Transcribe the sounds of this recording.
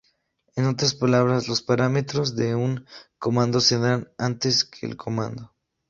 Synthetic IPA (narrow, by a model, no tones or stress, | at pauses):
e̞no̞t̪ɾaspalaβ̞ɾazlo̞spaɾame̞t̪ɾo̞zðe̞uŋko̞mãnd̪o̞seðanant̪e̞skʰe̞̰ːlkʰo̞mã̰nd̪o̞